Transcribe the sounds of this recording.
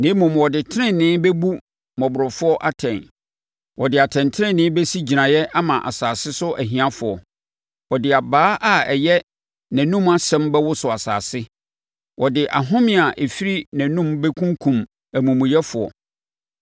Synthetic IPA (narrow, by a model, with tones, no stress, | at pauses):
nɪ̃˦mʊ̃˨m˨wɔ˨dɪ˨tʰɪ˦ɾɪ̃˦nnːɪ̃˦bɛ˦bu˦ | mɔ̃˨bʊ˨ɾɔ˨fʊ˦ɔ˦ʔa˦tʰɛ̃˨n | wʔɔ˨dɪ˨a˨tʰɛ̃˨ntʰɪ˦ɾɪ̃˦˨nɪ̃˦bɛ˦si˦d͡ʑi˨nã˨jɛ˦ʔa˦mã˨ʔa̰˨saː˨sɪ˦sʊ˦ʔæ˨ɦĩ˨˦ã˦fʊ˨ɔ˨ | wɔ˨dɪ˨a˨baː˦ʔa˦ɛ˨jɛ˦ | næ̃˨nũ˦ma˦sɛ̃˦mbɛ˦wʊ˦sʊ˨a˨sa̰ː˨sɪ˦ | wʔɔ˨dɪ˨ʔa̰˨ɦʊ̃˦mɪ̃˦˨a˨ʔe˨fi˦ɾi˦næ̃˨nũ˦mbɛ˦kʰũ˦ŋkʰũ˨m | æ˨mũ˨mʊ̃˨jɛ˦fʊ˨ɔ̰˨